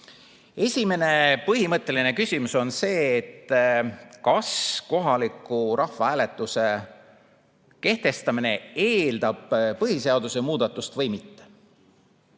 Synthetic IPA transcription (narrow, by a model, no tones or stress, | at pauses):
e̞sʲime̞ne̞pɤɦimɤt̪ˑːe̞line̞kysʲimuso̞nse̞ːt̪ː | kɑsko̞ɦɑlikːˑuɾʔɑhvɑæːle̞t̪ːˑuse̞ | ke̞ht̪e̞st̪ɑmine̞eːld̪ɑb̥pɤɦise̞ɑd̪̥use̞muːd̪̥ɑt̪ˑːust̪vɤ̞jmit̪ːe̥